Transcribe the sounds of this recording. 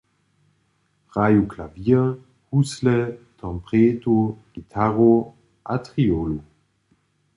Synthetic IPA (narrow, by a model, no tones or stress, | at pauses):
ʁajuklavi | huslet̪ʰɔ̃mpʁeːtoɡ̥it̪ʰaʁo | ʔatʁiolu